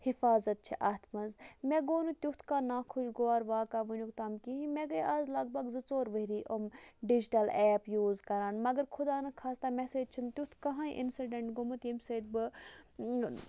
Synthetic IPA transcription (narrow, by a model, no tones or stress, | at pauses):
hifaːzɐt̪̚t͡ʃʰiʔaːt̪ʰmɐzmɛ̃ɡoːnut̪ʲut̪ʰkaːnaːkʰuʃɡoaːɾʋaːkaːʋənukt̪aːmkiɦĩmɛ̃ɡɐjaːzlɐɡ̚bɐɡzɨt͡soːɾʋəɾiːʔomɖid͡ʒiʈɐlɛːpjuːzkɐɾaːnmɐɡəɾkʰʊd̪aːnɐkʰaːst̪aːmɛseːd͡ʒ̚t͡ʃʰunt̪ʲut̪ʰkɐɦãːiʔɪ̰nsiɖeɳʈɡomɐt̪jimseːd̪bɨ